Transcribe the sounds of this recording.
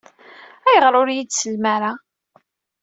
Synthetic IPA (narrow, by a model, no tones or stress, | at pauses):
æjəʁɾʊɾjidsəlmæɾa